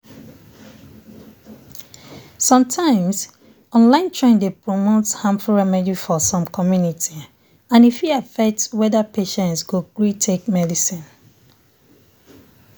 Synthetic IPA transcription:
sɔ̃mtʰãɪ̃mz | ɔ̃nlãɪ̃ntʰɹẽndepɹomotshãmfuɹɛmɛd͡ʒifɔsɔ̃mkʰɔmjunitʰi | ãnifhiafɛk̚tswɛðəpʰeʃɛ̃ntsɡokɹitʰek̚mɛdisĩn

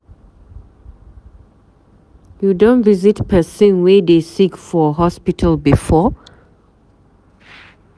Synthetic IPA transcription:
judõntvizitpʰɛsĩnwedesikfɔɦɔspitʰəlbifɔ

